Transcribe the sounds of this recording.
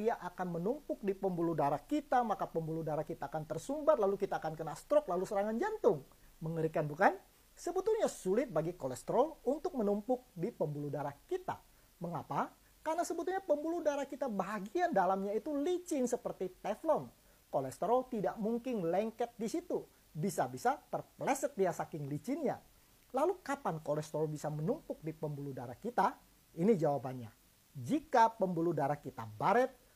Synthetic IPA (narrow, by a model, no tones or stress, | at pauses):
iaʔakanmənumpʊk̚dipəmbuludaɾakit̪amakapəmbuludaɾakit̪aːkant̪ərsumbat̪lalukit̪aːkankənast̪ɾɔk̚lalusəɾaŋand͡ʒant̪ʊŋ | məŋəɾikanbukan | səbət̪uhɲasulɪt̪̚baɡikolɛst̪əɾɔlunt̪ʊk̚mənumpʊk̚dipəmbuludaɾakit̪a̰ | məŋapa | karnasəbət̪uɲapəmbuludaɾakit̪abaɦaɡiandalamɲait̪ulit͡ʃɪnsəpərt̪it̪ɛflɔn | kolɛst̪əɾɔlt̪idaʔmuŋkɪnlɛŋkɛt̪̚disit̪u | bisabisat̪ərplɛsət̪̚diasakɪŋlit͡ʃɪnɲa̰ | lalukapankolɛst̪əɾɔlbisamənumpʊk̚dipəmbuludaɾakit̪a | inid͡ʒawabanɲa̰ | d͡ʒikapəmbuludaɾakit̪a̰baɾət̪̚